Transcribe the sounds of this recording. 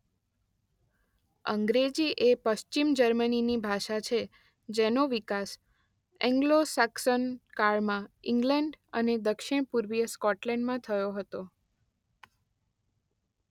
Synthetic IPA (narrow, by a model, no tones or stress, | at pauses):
əŋɡɾed͡ʒiʔepəʃt͡ʃimd͡ʒəɾməninibʱaʃat͡ʃʰe | d͡ʒenoʋikas | ɛ̃ŋɡlosaksənkaɭmãiŋɡlɛɳɖə̰ned̪əkʃɪɽ̃puɾʋijəskɔʈlɛɳɖmãt̪ʰəjoɦət̪o